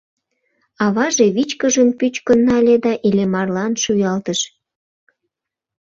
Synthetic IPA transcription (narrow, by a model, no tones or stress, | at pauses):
ɑβɑʒeβit͡ɕkəʒəmpyt͡ɕkənːɑlʲed̪ɑʔilʲemɑrlɑnʃujɑlt̪əʃ